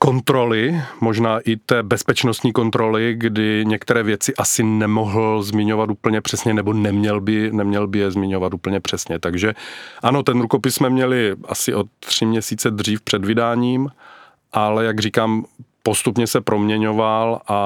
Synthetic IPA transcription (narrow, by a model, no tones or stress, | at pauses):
kont̪ɾo̞lɪmo̞ʒnaːʔɪt̪ɛːbɛspɛt͡ʃnost̪ɲiːko̞nt̪ɾo̞lɪɡdɪɲɛkt̪ɛɾɛːvjɛt͡sɪʔasɪnɛmoɦl̩zmɪɲo̞vat̪uːpl̩ɲɛpr̥ɛsɲɛnɛbonɛmɲɛlbɪnɛmɲɛlbɪjɛzmɪɲovat̪uːpl̩ɲɛpr̝̥ɛsɲɛt̪aɡʒɛʔano̞t̪ɛnɾuko̞pɪssmɛmɲɛlɪʔa̰sɪʔo̞tːr̝̥ɪmɲɛsiːt͡sɛd̪r̝iːfpr̥ɛdvɪdaːɲiːm | ʔalɛjaɡriːkaːmpost̪upɲɛsɛpɾomɲɛɲo̞valʔa